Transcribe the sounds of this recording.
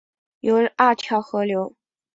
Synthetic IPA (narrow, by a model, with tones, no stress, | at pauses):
jo˨˧˥ʔa˥˩t͡ɕʰjɑ˧˥ʊxɤ˧˥ljo˧˥ʊ